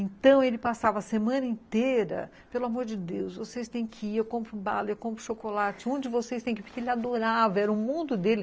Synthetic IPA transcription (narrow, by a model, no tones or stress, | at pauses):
ẽnt̪ɐ̃w̃elɪpasavɐsemɐ̃nɐẽnt̪eɾɐ̰ | pelʊamoɾd͡ʒɪd̪ewsvosejst̪ẽj̃kʰɪewkõpɾʊba̰lewkõmpɾʊʃokolat͡ʃɪõd͡ʒɪvosejst̪ẽj̃kɪpʊɾkeelɪad̪oɾavɐɛɾɐʊmũd̪ʊd̪elɪ